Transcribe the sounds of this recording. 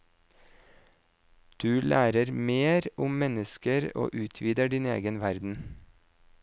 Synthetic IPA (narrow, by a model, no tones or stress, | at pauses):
d̪̥ʉːlʔæːɾəɾmeːɾʊmmɛnəskəɾo̰ːʔʉːt̪ʰʋiːd̪əɖinḛːɡənʋæɾd̪n̩